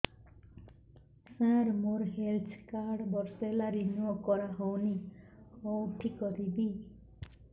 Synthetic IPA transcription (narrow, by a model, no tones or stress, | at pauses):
sãɾmoɾɦelt͡sʰkaɽbʌrselaɾinuokʌɾaɦowni | oʈʰikʌɾibi